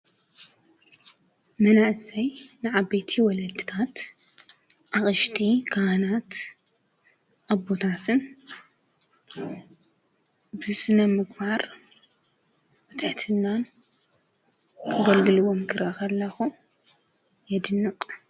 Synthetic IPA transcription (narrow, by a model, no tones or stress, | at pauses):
mɐnaʔsɐjnɨʕabɐjt̪ʰiwɔlɐd̪ɨt̪ʰat̪ | ʔaχʼɨʃt̪ʰikʰanat̪ | ʔabot̪ʰat̪ʰɨn | bɨsɨnɐmɨɡbaɾ | bɨt̪ʰɨħt̪ʰɨnːan | kʰɐɡɐlɡɨlɨβomkʰɨɾʔakʰɐlːɐxu | jɛd̪ɨnːɨqʼ